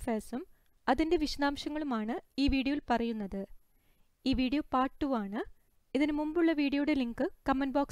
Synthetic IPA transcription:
feːsum | ɐðinde̞ʋiɕɐðaːmɕɐŋːɐɭumaːɳɨiːʋiːɽijɐʋilpɐrɐjunːɐðɨ | iːʋiːɽijopaːʈːuʋaːɳɨ | iðinmumbuɭːɐʋiːɽijouɽe̞liŋkɨkɐmːɐnboːks

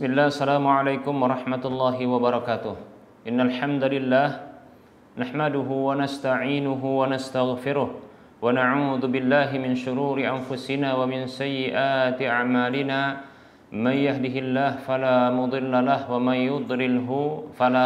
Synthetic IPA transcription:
smɪlːaːsːalaːmʊʕalajkʊmwɑɾˤɑħmat̪ʊlːɑːɦiwabaɾˤɑkaːt̪ʊh | ʔɪnːalħamd̪alɪlːaːh | naħmadʊɦuwanast̪aʕiːnʊɦʊwanast̪aɣfɪɾʊh | wanaʕuːðubɪlːaːɦɪmɪnʃʊɾuːɾɪʔanfʊsɪnaːwamɪnsajːɪʔaːt̪iʔaʕmaːlɪnaː | manjaɦdiɦɪlːaːhfalaːmʊd̪ˤɨlːalahwamanjʊd̪ˤlɪlɦʊfala

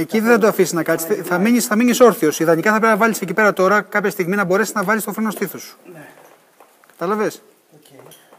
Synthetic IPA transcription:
eciðeθɐt̪oɐfisiznɐkɐt̪isθɐmiɲisθɐmiɲiso̞ɾθiosiðɐnikɐθɐpɾe̞pinɐvɐlisecipe̞ɾɐt̪o̞ɾɐkɐpçɐst̪iɣminɐbo̞ɾe̞siznɐvɐlist̪ofɾeno̞st̪iθosu̥ | kɐ̥t̪ɐlɐves

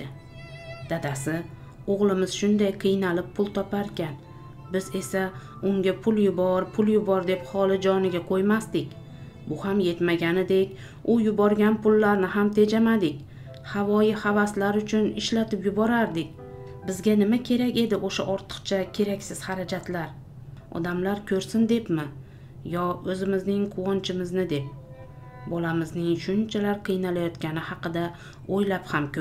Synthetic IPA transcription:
d̪ɪ | d̪̥ad̪asɪ | oʁlˠɪmɪz̥ʃʊnd̪ajqʰɨjnalɪppʰːʊlˠt̪ʰɒpaɾkʲʰan | bɪze̞sa | ʊŋɡʲapʰʊljʊbɒɾpʰʊljʊbɒɾd̪e̞phɒlˠɪd͡ʒɒnɪɡʲaqʰojmast̪ɪkʲ | bʊhamje̞t̪maɡʲanɪd̪e̞kʲ | ʊjʊbɒɾɡʲanpʰʊlːaɾnɪɦamt̪ʰe̞d͡ʒamad̪ɪkʲ | havɒjɪhavaslaɾʊt͡ʃʰʊnɪʃlat̪ʰɪpjʊbɒɾaɾd̪ɪkʲ | bɪzɡʲanɪmakʲʰe̞ɾakʲe̞d̪ɪʔoʃaʔɒɾt̪ʰɨ̥qt͡ʃʰakʲʰe̞ɾakʲsɪz̥haɾad͡ʒat̪laɾ | ɒ̰d̪amlaɾkʲʰɵɾsɪnd̪e̞pmɪ | jɒɵzɪmɪznɪŋqʰʊwɒnt͡ʃʰɪmɪznɪd̪e̞p̚ | bɒlamɪznɪŋʃʊnt͡ʃʰalaɾqʰɨjnalajɒt̪kʲanɪhɑqɨd̪a | ojlaphamkʲʰɵ

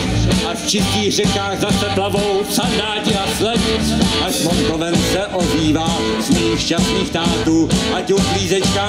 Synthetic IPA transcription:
ʔaft͡ʃɪsciːɣr̝ɛkaːɣzasɛplavo̞wfsand̪aːcɪaslɛdɪʔasmont̪ovɛmsɛʔoziːvaː | zmɛixʃasniːxt̪aːt̪uːʔacupliːzɛt͡ʃkaː

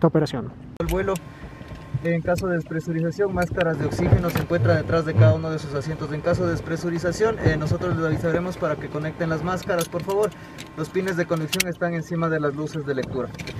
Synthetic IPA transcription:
t̪aopeɾasjon | lβwe̞lo̞ | eŋkaso̞ðe̞espɾe̞suɾis̬asjo̞ŋmaskaɾazðeo̞ksixe̞no̞seŋkwe̞nt̪ɾaðe̞t̪ɾazðe̞kaðauno̞ð̞esus̬asje̞nt̪o̞s̬e̞ŋkas̬o̞ðespɾe̞suɾis̬asjo̞neno̞so̞t̪ɾo̞zlesaβisaɾe̞mo̞spaɾake̞ko̞ne̞k̚t̪e̞nlazmaskaɾaspo̞ɾfaβo̞ɾ | lo̞spine̞zðe̞koniksjo̞ŋe̞st̪aŋe̞nsimaðe̞lazluse̞zðe̞le̞k̚t̪uɾa

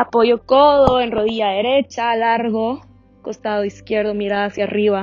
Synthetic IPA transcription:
apoʝo̞koðoenroðiʝaðe̞ɾe̞t͡ʃalaɾɣo | ko̞st̪aðoiskje̞ɾðomiɾaasjariβa

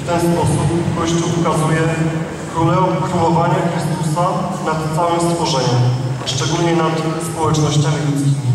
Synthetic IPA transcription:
ft̪ɛnspɔsupkɔɕt͡ɕuʔukazujɛ | skɾulɛkɾulɔvaɲɛxɾɘst̪usa | nat̪t̪sawɘmst̪fɔʐɛɲɛʂt͡ʂɛɡulɲɛnat̪spɔwɛt͡ʂnɔɕt͡ɕãɾɛlʲit̪skʲi

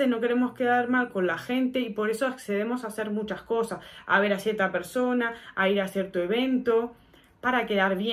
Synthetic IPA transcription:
eno̞ke̞ɾe̞mo̞ske̞ðaɾmalko̞nlaxe̞nt̪e̞ipo̞ɾe̞soakseðemo̞sase̞ɾmut͡ʃasko̞sasa̰β̞e̞ɾasje̞ɾt̪ape̞ɾso̞naːiɾasjeɾt̪oe̞β̞e̞nt̪o̞ | paɾake̞ðaɾβje

